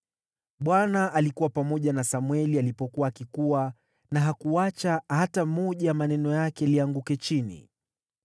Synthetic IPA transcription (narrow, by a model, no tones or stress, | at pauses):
ɓwanaʔalikuwapamɔʄanasamwɛlialipɔkuwaːkikuwa | naɦakuat͡ʃahatamɔʄamanɛnɔjakɛliaŋɡukɛt͡ʃinḭ